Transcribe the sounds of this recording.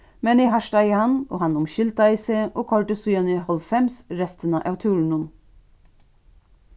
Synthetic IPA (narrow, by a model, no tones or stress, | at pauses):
mɛnihɑʃʈɑɡəhɑno̰ːhɑnʊmʃɪlt̪ɑiːseːʔoːkʰɑɹʈəsʉɑnɪhɔlfɛmsɾɛst̪ənɑ̰ʔɑːʋt̪ʰʉːɾɳ̩ʊn